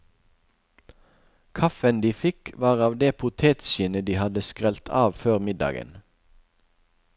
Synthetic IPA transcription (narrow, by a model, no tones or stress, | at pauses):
kʰɑfənd̪iːfɪkʋɑːʁɑːʋd̪eːpʰʊt̪ʰeːt̪ʃɪnəd̪iːhɑd̪əskʁɛlt̪ʰɑːʋføːʁmɪd̪ɑ̰ːɡə̰n